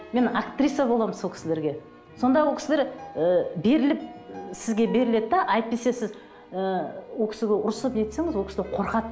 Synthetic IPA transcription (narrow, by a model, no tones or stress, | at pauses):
me̞nakt̪rʲijsjɑbolˠɑmənsokʰʲɪ̥sɪle̞ɾɡʲe̞ | so̞nd̪ɑwolˠkʰʲɪ̥sɪleɾəbe̞ɾɪlɪp̚sɪzɡʲe̞be̞ɾɪle̞d̪ɪd̪ɑʔɑjt̪̚p̪e̞se̞sɪz | əwokʲʰɪ̥sɪɡʲe̞ʔʊɾsˠəpnet̪se̞ŋɪzwokʰʲɪslʲeqʰo̞ɾqɑt̪